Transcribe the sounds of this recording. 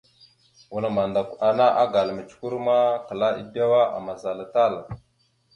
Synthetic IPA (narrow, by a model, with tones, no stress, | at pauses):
wu˨lma˨nda˨ka˨na˦ʔa˦ɡa˨lmə˨t͡ʃku˦ɾma˦kə˨la˦ʔḭ˦pa˦wa˦a̰˨ma˨za˨la˨ta˦˨l